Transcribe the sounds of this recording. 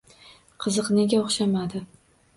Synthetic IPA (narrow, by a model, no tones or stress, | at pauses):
qʰɨzɨqneɡʲaoχʃamad̪ɪ